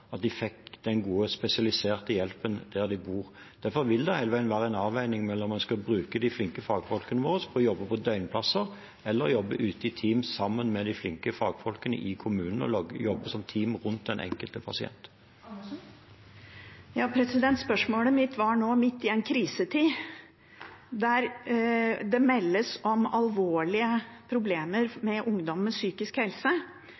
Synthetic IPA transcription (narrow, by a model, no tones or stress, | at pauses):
ɑt̪̚d̪ɪfɛkːd̪ɛnɡuːəspɛsɪɑlɪseːʁt̪əjɛlpənd̪̥æʁd̪ɪbuːʁ | d̪̥æɾfɔʁʋɪld̪ɛhæɪləʋæɪənʋæːʁəɛnɑːʋæɪnɪŋmɛlːɔmːɑnskɑbɾʉːkəd̪ɪflɪŋkəfɑːɡfɔlkənəʋoːʁəspʰɔɔjɔbːəpʰɔd̪œʏnpʰlɑsəʁ | ɛlːəɾjɔbːəʔʉːt̪əɪt̪ʰiːmsɑmːənmɛd̪ɪflɪŋkəfɑːɡfɔlkənə̰ʔɪkʰʊmʉːnn̩ɔ̰jɔbːəsɔmt̪ʰiːmʁʉnt̪̚d̪ɛnʔɛ̰ŋkəlt̪əpʰɑsɪɛ̰nt̪ | jɑːpʰɾɛsɪd̪ɛnt̪spœʂmoːləmɪt̪ʋɑɳoːmɪt̪ːɪɛnkʰɾiːsət̪ʰiː | d̪æɾ | d̪ɛmɛlːəsɔmɑlʋoːɭɪəpʰɾʊbleːməɾmɛʔʊŋd̪ɔmənsyːkɪskhɛlsə